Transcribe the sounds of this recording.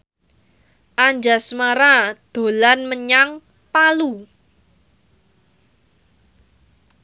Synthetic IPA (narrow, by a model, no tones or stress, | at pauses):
ʔaɲd͡ʒasmaɾad̪̥o̤lanməɲaŋ | palu